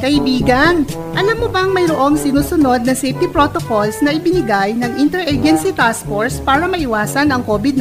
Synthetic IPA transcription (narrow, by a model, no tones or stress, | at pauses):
kɐʔɪbiːɡɐn | ʔɐlamːobɐŋmɐjɾoʔo̞ŋsɪnuːsʊno̞d̪̚nɐŋsɛjft̪ipɾo̞t̪oko̞lsnɐʔɪbɪnɪɡajnɐŋʔɪnt̪ɛɾʔɛd͡ʒɛnsit̪asfoɹspaːɾɐmɐʔɪwaːsɐnɐŋko̞ːbɪd̪n